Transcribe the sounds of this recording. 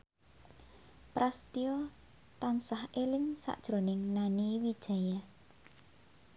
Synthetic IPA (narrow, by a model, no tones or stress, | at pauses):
pɾast̪iɔ | t̪ansahʔelɪŋsa̰ʔd̥ʒ̥ɾonɪŋnaniwid̥ʒ̥a̤ja